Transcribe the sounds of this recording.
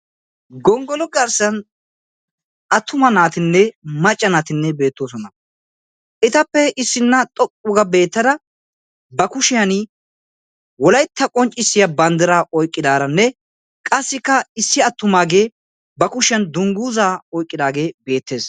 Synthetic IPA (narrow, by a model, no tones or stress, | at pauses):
ɡɔŋɡɔlɔɡɐɾsɐn | ɐt̪ʰːʊmɐnaːt̪ɪnːɛmɐt͡ʃʼːɐnaːt̪ɪnːɛbe̞ːt̪ːoːsɔnɐ | ʔɪt̪ɐpːɛɪsːɪnːɐt̪ʼɔkʼːʊɡɐbe̞ːt̪ːɐd̪ɐ | bɐkʊʃɪjɐnɪ | wɔlɐjt̪ːɐkʼɔnt͡ʃʼːɪsːɪjɐbɐnd̪ɪɾaːʔɔjkʼːɪd̪aːɾɐnːɛ | kʼɐsːɪkːɐɪsːɪɐt̪ːʊmaːɡe̞ː | bɐkʊʃɪjɐnd̪ʊŋɡuːzaːɔjkʼːɪd̪aːɡe̞ːbe̞ːt̪ːe̞ːs